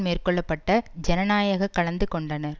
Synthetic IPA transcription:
meːrkɔɭːɐpːɐʈːɐd͡ʒɛnɐnaːjɐɣɐkːɐɭɐnd̪ɯkɔɳɖɐnɐɾ

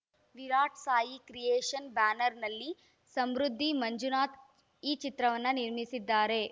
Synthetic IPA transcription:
ʋiɾaːʈʰsaːjikɾijeːʂɐnbaːnɐɾnɐlːi | sɐmɾud̪ʱːimɐɲd͡ʒunaːt̪ | iːt͡ʃit̪ɾɐʋɐnːɐniɾmisid̪ːaːɾe̞

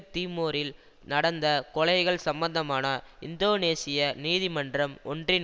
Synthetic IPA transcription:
t̪iːmoːɾɪl | nɐɽɐnd̪ɐkɔɭɐɪɣɐɭsɐmbɐnd̪ɐmaːnɐɪnd̪oːneːsɪjɐniːðɪmɐndrɐmɔndrɪn

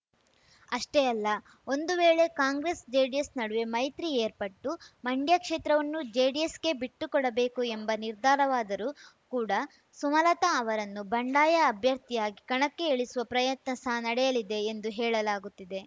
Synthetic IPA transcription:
ɐʂʈeɐlːɐ | o̞nd̪uʋeːɭe̞kaːŋɡɾesd͡ʒeːɖijesnɐɽuʋe̞mɐjt̪ɾieːɾpɐʈːumɐɳɖjakʂeːt̪ɾɐʋɐnːud͡ʒeːɖijesɡe̞biʈːukɔɽɐbe̞ːkuembɐniɾd̪ʱaːɾɐʋaːd̪ɐɾukuːɽɐ | sumɐlɐt̪aːʋɐɾɐnːubɐɳɖaːjɐːbʱjɐɾt̪ijaːɡikɐɳɐkːe̞ːɭisuʋɐpɾɐjɐt̪nɐsɐnɐɽɛjɐlid̪e̞ːnd̪uɦɛːɭɐlaːɡut̪ːid̪e̞

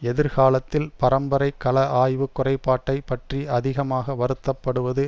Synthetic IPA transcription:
ɛðɪɾɣaːlɐt̪ːɪlpɐɾɐmbɐɾɐɪkɐlɐʔaːjʋɯkːʊrɐɪpːaːʈːɐɪpɐʈriɐðɪɣɐmaːɣɐʋɐɾɯt̪ːɐpːɐɽɯʋɐðɯ

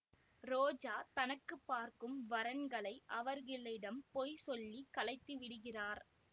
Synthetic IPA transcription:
ɾoːd͡ʒaːt̪ɐnɐkːɯpːaːɾkɯmʋɐɾɐnɡɐɭɐɪʔɐʋɐɾɣɪɭːɪɽɐmpɔjsɔlːikɐlɐɪt̪ːɯʋɪɽɯɣɪraːɾ

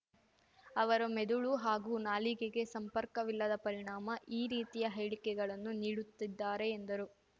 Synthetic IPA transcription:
ɐʋɐɾumed̪uɭuɦaːɡuːnaːliɡeɡe̞sɐmpɐɾkɐʋilːɐd̪ɐpɐɾiɳaːmɐʔiːɾiːt̪ijɐɦɐjɽikɛɡɐɭɐnːuniːɽut̪ːid̪ːaːɾe̞ːnd̪ɐɾu

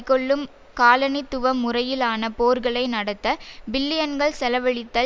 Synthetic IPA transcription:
kːɔɭːɯm | kaːlɐnɪt̪ːʊʋɐmːʊrɐjɪlaːnɐpoːɾɣɐɭɐɪnɐɽɐt̪ːɐbɪlːɪjɐnɡɐɭsɛlɐʋɐɭɪt̪ːɐ

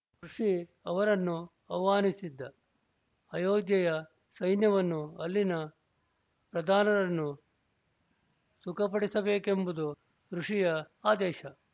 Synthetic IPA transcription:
kɾuʂi | ɐʋɐɾɐnːu | ɐʋaːnisid̪ːɐː | joːɡjɐjɐ | sɐjnjɐʋɐnːuɐlːinɐ | pɾɐd̪ʱaːnɐɾɐnːu | sukʰɐpɐɽisɐbeːkembud̪u | kɾuʂijɐ | aːd̪eːʃɐ

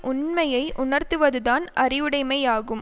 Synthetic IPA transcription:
ʔʊnmɐjɐɪʔʊɳɐɾt̪ɯʋɐðɯðaːnɐrɪʋɯɽɐɪmɐɪaːɣɯm

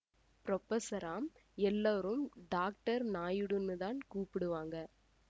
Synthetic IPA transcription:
pɾɔpːɐsɐɾaːmɛlːaːɾɯmɖaːk̚ʈɐɾnaːjɯɽɯnːɯðaːnkuːpɪɽɯʋaːŋɡɐ

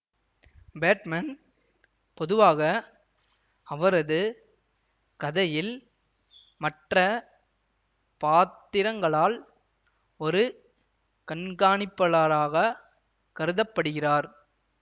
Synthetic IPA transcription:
beːʈmɐn | pɔðɯʋaːɣɐ | ɐʋɐɾɐðɯ | kɐðɐjɪl | mɐʈrɐ | paːt̪ːɪɾɐŋɡɐɭaːl | ɔɾɯ | kɐɳɡaːɳɪpːɐɭaːɾaːɣɐ | kɐɾɯðɐpːɐɽɯɣɪraːɾ

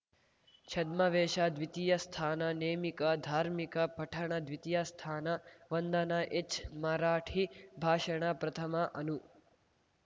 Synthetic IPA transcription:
t͡ʃʰɐd̪mɐʋeːʃad̪ʋit̪ijɐst̪ʰaːnɐneːmikɐd̪ʱaːɾmikɐpɐʈʰɐɳɐd̪ʋit̪ijast̪ʰaːnɐʋɐnd̪ɐnaʔet͡ʃmaɾaːʈʰibʱaːʃɐɳ̃ɐpɾɐt̪ʰɐmɐʔɐnu

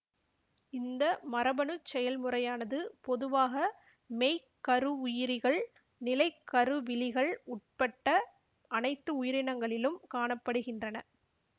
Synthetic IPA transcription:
ɪnd̪ɐmɐɾɐbɐɳɯt͡ʃːɛjɐlmɯrɐjaːnɐðɯpɔðɯʋaːɣɐ | mejkːɐɾɯʊjɪɾɪɣɐɭ | nɪlɐɪkːɐɾɯʋɪlɪɣɐɭʊʈ̚pɐʈːɐ | ɐnɐɪt̪ːɯʊjɪɾɪnɐŋɡɐɭɪlɯmkaːɳɐpːɐɽɯɣɪndrɐnɐ

